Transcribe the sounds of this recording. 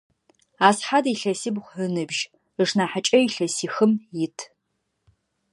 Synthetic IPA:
aːsħadiɬɐsiːbχʷənɨbʒ | əʂnaːħat͡ʃʼɐiɬɐsiːxɨmjɪtʰ

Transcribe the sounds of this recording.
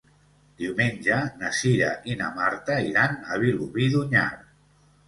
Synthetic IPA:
d̪̥iumeɲʲd͡ʒənasiɾaʔina̰maɾt̪aiɾanaβiluβiðuɲa̰ɾ

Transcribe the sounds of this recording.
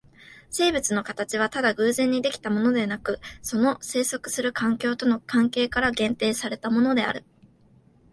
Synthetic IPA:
se̞ːbɯ̟t͡sɨno̞kat̪at͡ɕiβ̞at̪ad̪aɡɯ̟ːzẽ̞ɲ̟ːid̪e̞kʲi̥t̪amo̞no̞d̪e̞nakɯ̟so̞no̞se̞ːso̞kɯ̟̥sɨɾɯ̟kãŋkʲo̞ːt̪o̞no̞kãŋke̞ːkaɾaɡẽ̞nt̪e̞ːsaɾe̞t̪amo̞no̞d̪e̞a̰ɾɯ̟

